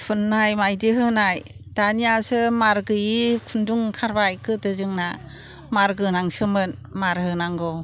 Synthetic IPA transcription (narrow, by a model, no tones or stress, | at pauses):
pʰunːajmajdiɦɯnaj | d̥anijasɯmaɾɡɯjikʰunduŋkʰaɾbajkʰɯdɯzɯŋna | maɾɡɯnaŋsɯmɯn | maɾhɯnaŋɡɔ